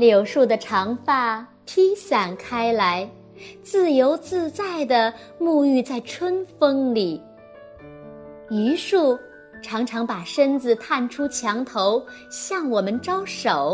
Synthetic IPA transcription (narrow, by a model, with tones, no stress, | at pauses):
ljo˨˩ʊʂu˥˩d̪ə˩ʈ͡ʂʰɑ˧˥ŋfa˥˩ | t̪ʰi˥ɕa˨˩nkʰa˥ɪla˧˥ɪ | t͡sɹ̩˥˩jo˧˥ʊt͡sɹ̩˥˧t͡sa˥˩ɪd̪ə˩ | mu˥˧y˥˧t͡sa˥˩ɪʈ͡ʂʰwə˥nfɤ˥ŋli˨˩˦ | y˧˥ʂu˥˩ | ʈ͡ʂʰɑ˧˥ŋʈ͡ʂʰɑ˧˥ŋpa˨˩ʂə˥nt͡sɹ̩˨˩t̪ʰa˥˩nʈ͡ʂʰu˥t͡ɕʰjɑ˧˥ŋt̪ʰo˧˥ʊɕjɑ˥˩ŋwɔ˨˩mə˦nʈ͡ʂɑ˥ʊʂo˨˩˦ʊ